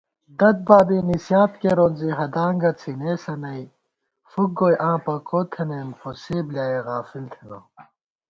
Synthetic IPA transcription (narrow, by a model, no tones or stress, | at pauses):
d̪ɐd̪̚baːbinisjaːt̪keɾoːnziɦɐd̪aːŋɡɐt͡sʰineːsɐnɐi | fuk̚ɡojʔãːpɐkot̪ʰenempʰoseːbljaːeɣaːfilt̪ʰenoː